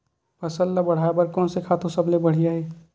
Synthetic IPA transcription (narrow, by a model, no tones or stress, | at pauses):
pəsəlːabəɽ̤aebəɾkɔːnsekʰaːt̪õsəblebəɽ̤ijaɦɛː